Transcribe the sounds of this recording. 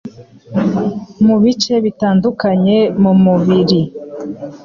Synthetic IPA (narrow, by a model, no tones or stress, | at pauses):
muβit͡ʃe̞βitaːndukaɲe̞mumuβiɾi